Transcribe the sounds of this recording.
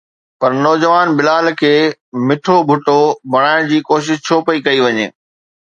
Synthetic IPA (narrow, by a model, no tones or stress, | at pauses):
pɐɾnɔːd͡ʑəʋaːnbɪlaːlkʰeːmɪʈʰobʱʊʈobʱɐɽ̃aːɪɽ̃d͡ʑiːkoːʃ̬ɪʃt͡ɕʰoːpɐikɐiʋɐɲḛː